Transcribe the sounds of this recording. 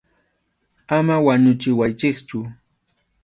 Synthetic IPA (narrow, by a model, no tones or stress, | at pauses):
amawaɲʊt͡ʃɪwajt͡ʃɪkt͡ʃʊ